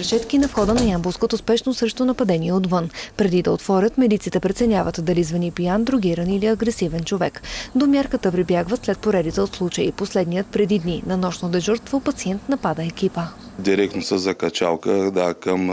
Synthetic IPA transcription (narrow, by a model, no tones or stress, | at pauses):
pɾɛʃɛt̪kinɐfxɔd̪ənɐjamboskot̪ospɛʃnost̪ɾɛʃt̪onɐpɐd̪ɛniɛot̪vənpɾɛd̪id̪ɐot̪fɔɾʲət̪mɛd̪it̪sit̪ɛpɾɛt̪sɛnʲjavət̪d̪ɐlizvɐnipijand̪ɾʊɡiɾəniliɐɡɾɛsivɛnt͡ʃovɛkd̪omʲjaɾkət̪əpɾibjaɡvət̪slɛt̪̚poɾɛd̪it̪ɛot̪slˠut͡ʃəḭposlɛd̪nijət̪̚pɾɛd̪id̪ninɐnɔʃnod̪ɛʒuɾst̪vopɐt̪siɛnt̪nɐpad̪əɛkʲipə | d̪iɾɛk̚t̪nosəzɐkɐt͡ʃa̰lˠkəd̪akəm